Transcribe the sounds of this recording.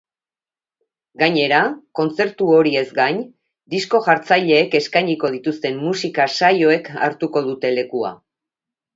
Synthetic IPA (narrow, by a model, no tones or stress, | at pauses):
ɡaɲe̞ɾako̞nt͡se̞ɾt̪uo̞ɾie̞zɡaɲ | d̪isko̞ʝaɾt͡sajʎe̞ːke̞skajɲiko̞ð̞it̪ust̪e̞mːusikasajo̞e̞ka̰ɾt̪uko̞ð̞ut̪e̞le̞kua̰